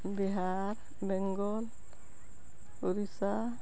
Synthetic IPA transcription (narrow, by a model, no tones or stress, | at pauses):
biɦa | ɾ | bɛŋɡɔl | uɾisa